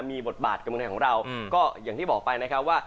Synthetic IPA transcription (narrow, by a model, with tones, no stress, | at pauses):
miː˧bo˨˩t̪̚baː˨˩t̪̚ka˧mːʰ˧a˨˩kʰːɔː˩˦ŋɾa˧wkɔː˥˩jaː˨˩ŋt̪ʰiː˥˩bɔː˨˩k̚pa˧jna˦˥kʰa˦˥p̚waː˥˩